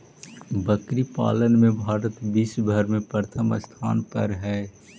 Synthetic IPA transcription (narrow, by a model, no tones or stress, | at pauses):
bəkɾipa̰ːlənmẽbʱaːɾət̪biːsbʱəɾmẽpɾəɾt̪ʰəməst̪ʰa̰ːnpə̰ɾɦɛː